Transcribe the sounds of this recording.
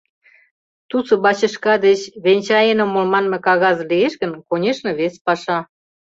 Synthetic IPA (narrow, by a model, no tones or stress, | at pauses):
t̪usŏbɑt͡ɕə̆ʃkɑd̪et͡ɕβenʲt͡ɕɑjenomːolmɑnme̽kɑɣɑzlieʃɣə̆nkonʲeʃnĕβespɑʃɑ